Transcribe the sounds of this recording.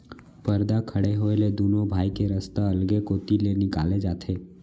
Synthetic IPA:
pəɾd̪akʰəɽeɦoeled̪unobʱajkeɾəst̪aəlɡekot̪ilenikaled͡ʒat̪ʰe

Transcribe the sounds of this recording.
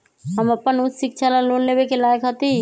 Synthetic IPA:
ɦəməpːənʊt̪sɪk̚t͡ʃʰalaloːnleːbekelaːjəkɦət̪i

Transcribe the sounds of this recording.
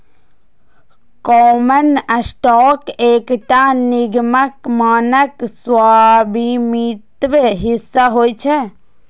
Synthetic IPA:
kɔːmənəsʈɔːkeːkʈanɪɡməkmaːnəkswaːbʱimit̪ʋɦɪsːaɦoːit͡ʃʰɛ

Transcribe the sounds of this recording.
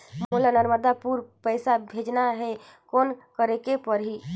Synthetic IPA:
mmulanəɾməd̪apuɾpəɪsabʱed͡ʒnaɦɛ | koːnkəɾekepəɾɦi

